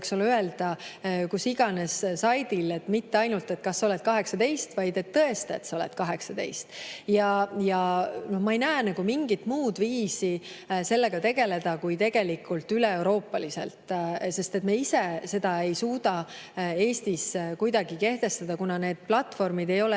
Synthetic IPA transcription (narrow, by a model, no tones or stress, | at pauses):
ksolye̞ld̪ɑkusiɡ̥ɑne̞ssɑjd̪ile̞t̪ːmit̪ːe̞ɑjnult̪e̞t̪kɑsːo̞le̞t̪̚kɑɦe̞ksɑt̪e̞jst̪vɑjd̪̥e̞t̪ːɤe̞st̪ḛt̪sɑo̞let̪kɑɦe̞ksɑt̪e̞̰jst̪jɑjɑnohmɑe̞jnæːnɑɡ̥umiŋɡ̥it̪muːd̪viːsise̞lːe̞ɡ̥ɑt̪e̞ɡ̥e̞le̞d̪̥ɑkujt̪e̞ɡ̥e̞likult̪ːyleewɾo̞ːpːˑɑlisḛlt̪ˑse̞st̪e̞t̪meisese̞d̪̥ɑe̞jsuːd̪̥ɑ | e̞ːst̪iskujd̪ɑɡ̥ike̞ht̪e̞st̪ɑd̪̥ɑkunɑne̞ːd̪̥̚plɑt̪ːˑfo̞rmid̪e̞jo̞l